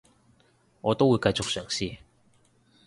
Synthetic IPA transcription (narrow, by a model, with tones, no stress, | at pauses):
ŋɔː˨˧t̪o˥wuː˨˧jkɐ˧jt͡sʊ˨k̚sœː˨˩ŋsiː˧